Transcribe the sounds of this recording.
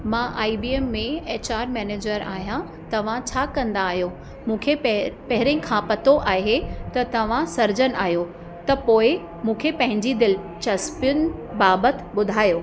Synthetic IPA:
mãʔaːibieːmːẽeːt͡ɕaːɾmɛːneːd͡ʑəɾa̰ːɦijã | t̪ɐʋ̤ãt͡ɕʰaːkɐ̃nd̪aːɦijo | mũːkʰepɐɦɪɾẽkʰãpɐt̪oʔaːɦet̪ɐt̪ɐʋ̤ãsɐɾd͡ʑənaːɦijo | t̪ɐpoːɪ | mũːkʰepɐ̃ɦɪ̃ɲd͡ʑid̪ɪl | t͡ɕɐspʊn̆baːbət̪ɓʊd̪ʱaːjoː

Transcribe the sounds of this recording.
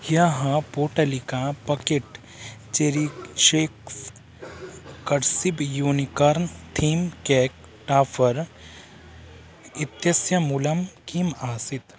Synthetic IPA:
jaɦãpoːʈɐlikãpɐkeʈ | t͡ʃeɾiʃeːk | kɐɾsibjuːnikɐɾnt̪ʰiːmkɛːk̚ | ʈaːfʰɐɾ | ɪt̪jɐsjɐmulɐmkimaːsit̪

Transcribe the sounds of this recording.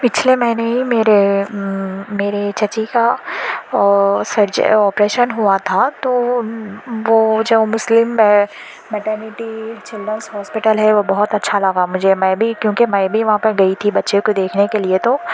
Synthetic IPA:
pɪt͡ʃʰlemɛ̃ːneɦimeːɾe | meːɾet͡ʃɐt͡ʃika | sɐɾd͡ʒɔːpɾeːʃənɦuat̪ʰat̪o | ʋoːd͡ʒoːmʊslɪmːɛ̃ | mɛʈəːɾnɪʈit͡ʃɪlɖɾənshɔːspɪʈəlɦɛʋobɔɦʊt̪ɐtːʃʰalɐɡamʊd͡ʒʱemɛ̃ːbʱikjõːkimɛ̃ːbʱijʋɐɦãpɐɾɡɐit̪ʰibɐtːʃekod̪eːkʰnekeliet̪o

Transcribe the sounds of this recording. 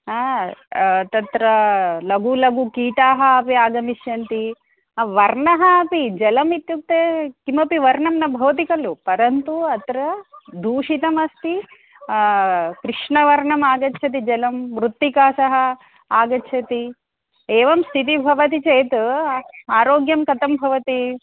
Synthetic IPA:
aː | t̪ɐt̪ɾɐlɐɡulɐɡukiːʈaːɦɐːpiaːɡɐmiʃjɐnt̪i | ʋɐɾɳɐɦɐɐpid͡ʒɐlɐmit̪juk̚t̪ekimɐpiʋɐɾɳɐmnɐbʱɐʋɐt̪ikɐlupɐɾɐnt̪uɐt̪ɾɐd̪ʱuːʂit̪ɐmɐst̪i | kɾiʂɳɐʋɐɾɳɐmaːɡɐtːʃʰɐt̪̬id͡ʒɐlɐmʋɾut̪ːikaːsɐɦɐ | aːɡɐtːʃʰɐt̪i | eːʋɐmst̪ʰit̪̬ibʱɐʋɐt̪it͡ʃejt̪uaːɾoːɡjɐmkɐt̪ɐmbʱɐʋɐt̪i

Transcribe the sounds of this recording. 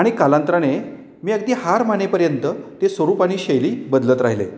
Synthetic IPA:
aɽ̃ikalãnt̪ɾane | miːəɡd̪iːhaɾmanepəɾjənt̪ət̪esʋəɾuːpaɽ̃iːɕejliːbəd̪lət̪ɾaɦilḛ

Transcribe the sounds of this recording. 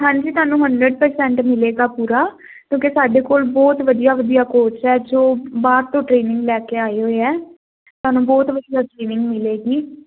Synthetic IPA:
ɦãːɲd͡ʒiːt̪ʊaːnũːɦəɳɖɾəɖpəɾsɛ̃ːɳʈmɪleːɡaːpuːɾaː | kjõːkesaːɖeːkoːlbɔːt̪ʋəd̪ijaːʋəd̪ijaːkoːt͡ʃɛːd͡ʒoːbaːɾt̪õːʈɾeːnɪ̃ŋɡlɛːkeːaːeːɦoːeːɛː | t̪ʊaːnũːbɔːt̪ʋəd̪iaʈɾeːnɪ̃ŋɡmɪleːɡiː

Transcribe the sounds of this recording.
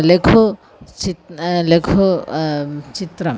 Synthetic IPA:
lekʰo | t͡ʃilekʰo | t͡ʃit̪ɾɐ

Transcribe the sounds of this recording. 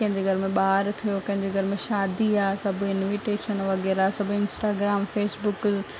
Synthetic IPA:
kɐ̃ɦɪ̃ɲd͡ʑeɡʱɐɾɪmẽɓaːɾt̪ʰijokɐ̃ɦɪ̃ɲd͡ʑeɡʱɐɾɪmẽʃaːd̪iaːsɐbʱʊɪnʋiʈeːʃənʋɐɣɛːɾasɐbʱʊɪnsʈaːɡɾaːmfeːsbʊk

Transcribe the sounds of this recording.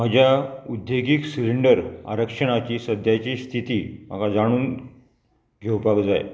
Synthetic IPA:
m̤əd͡ʑjaud̪jeɡiksiɾiɳɖəɾa̰ɾəkʂəɽ̃at͡ɕiːsəd̪ʱjat͡ɕiːst̪ʰit̪iːm̤əɡad͡zaɽ̃uːn | ɡʱewpakd͡za̰j

